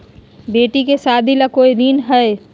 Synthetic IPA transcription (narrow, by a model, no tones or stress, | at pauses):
beːʈikesaːd̪ʱilakoːiɾiːnɦɛe